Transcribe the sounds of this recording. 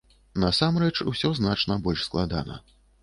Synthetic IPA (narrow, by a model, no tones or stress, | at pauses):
nɐsamrɛt͡ʂṵsʲɔznat͡ʂnɐbɔlʲʂsklˠad̪a̰nɐ̰